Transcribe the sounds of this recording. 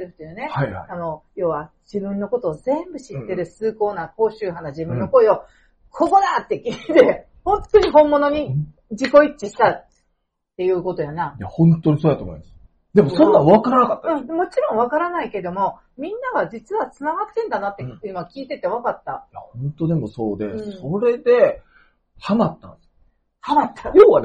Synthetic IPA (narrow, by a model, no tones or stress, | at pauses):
ɯɕt̪ojane̞haia̰ano̞jo̞ːβad͡ʑibɯ̟̃nːo̞ko̞t̪o̞ːzẽ̞mbɯ̟ɕit̪ːe̞ɾɯ̟sɨːko̞ːnako̞ːɕɨːhanad͡ʑibɯ̟nːoko̞io̞ | kʰo̞ko̞d̪at̪ːe̞kʲiːt̪e̞ | hõ̞nt̪o̞ɲ̟ihõ̞mːo̞no̞ɲ̟i | d͡ʑiko̞it͡ɕːiɕi̥t̪at̪ː | e̞jɯ̟ːko̞t̪o̞janajahõ̞nt̪ːoɲ̟isoːd̪at̪oːmoḭmas | d̪e̞mosõnːãβakaɾanakat̪ːaɯ̟̃mo̞t͡ɕiɾõ̞ɰ̃β̞akaɾanaike̞d̪o̞mo̞ | mʲĩnːaɡad͡ʑit͡sɨβat͡sɨnaɡat̪ːẽ̞nd̪anat̪ːe̞ɯ̟noɡakʲiːt̪e̞t̪eakat̪ːajahõnt̪o̞d̪e̞mo̞so̞ːd̪e̞ɯ̃so̞ɾe̞d̪e̞ | hamat̪ːã̰ns | hamat̪ʰːajoːβa